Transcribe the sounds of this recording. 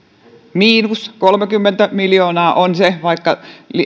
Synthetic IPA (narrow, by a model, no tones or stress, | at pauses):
miːnuskolmekymːent̪æmiljoːnɑːʔonseʋɑikːɑli